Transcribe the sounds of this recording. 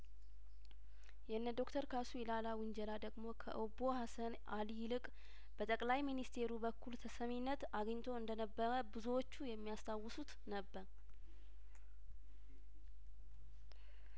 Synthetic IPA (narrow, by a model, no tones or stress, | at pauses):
jɛɨnːəd̪o̞kt̪ʰəɾkʰasuilalawʊnd͡ʒɛlad̪əɡmo̞kʰə̰ʔɨbo̞hasənʔalijlɨkʼ | bət̪ʼəkʼlajminist̪ʰe̞ɾubəkʰːult̪ʰəsəminːət̪aɡəɲːt̪ʰo̞ɨnd̪ənəbːəɾəbɨzuwo̞t͡ʃːujɛmːijast̪ʰawːɨsut̪nəbːəɾ